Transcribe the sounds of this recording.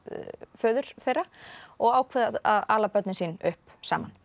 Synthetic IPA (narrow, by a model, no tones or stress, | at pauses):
fœːðʏɾ̥θejraɔɣaːwkʰvɛðaaðaːlapœt̪nɪnsiːnʏhp | sa̰ːman